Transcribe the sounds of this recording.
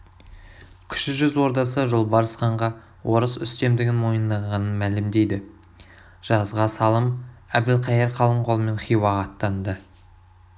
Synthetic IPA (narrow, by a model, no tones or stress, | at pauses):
kʲʰʏ̥ʃɪʒʏzwo̞ɾd̪ɑsəʒʊlˠbɑɾəsχɑɴʁɑ | wʔo̞ɾəsʏst̪e̞md̪ɪɡʲɪnmo̞jənd̪ɑɴʁɑnənmælɪmd̪e̞jd̪ɪ | ʒ̥ɑzʁɑsɑlˠəmæbd̪ɪlqʰɑjeɾqʰɑlˠəɴqʰolˠme̞nχijwɑʁɑt̪ːɑnd̪ə